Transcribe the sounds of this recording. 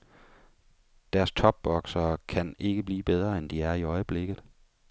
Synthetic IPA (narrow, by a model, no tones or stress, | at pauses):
d̥æɐst͡sʰɒ̽b̥ːɒ̽ɡ̥sɐkʰæne̝ɡ̥əb̥liːb̥eð̞ˠʁɐend̥iæɐiɒ̽ɪəb̥le̝ɡ̥ð̞̩ˠ